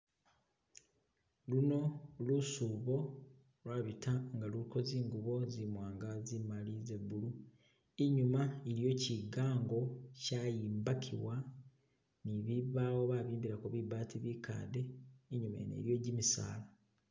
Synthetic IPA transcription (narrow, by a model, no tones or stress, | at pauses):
luno̞lusuːβo̞ | lwaːβitʰaŋɡaluliko̞ziːŋɡuβo̞zimwaːŋɡazimalize̞βulu | iɲumaeɾjo̞ciɡaːŋɡo̞cajiːmbakʰḭwa | niβiβaːwo̞βaːβiːmbiɾakuβibaːtiβika̰ːde̞ːɲuma̰nḛɾjo̞ɟimisa̰ːla